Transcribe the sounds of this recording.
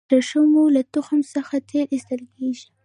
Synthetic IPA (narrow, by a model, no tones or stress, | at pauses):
əʃəmolat̪ʊxəmsəxat̪ʰeɾɪst̪əlkeʒi